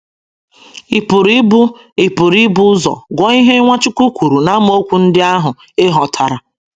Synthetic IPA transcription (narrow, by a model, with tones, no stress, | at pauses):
i˨pʊ˨ɾi˦bʊ˦ | i˨pu˨ɾi˦bʊ˦zɔ̰˨ɡʷɔ˦i˦ɦe˦ŋʷa˦t͡ʃu˦kʷu˦kʷu˨ɾu˨na˦m˦o˦kʷu˦n̩˦dɪ˦a˦ɦʊ˨ | e˦ɦɔ˨tʰa˨ɾa˨